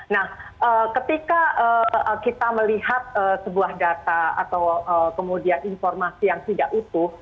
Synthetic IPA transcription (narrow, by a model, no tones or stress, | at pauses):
nahʔəːkət̪ikaʔəːkit̪aməliɦat̪̚əːsəbuahdat̪aa̰t̪awəːkəmudianinfɔrmasijaŋt̪idaʔit̪u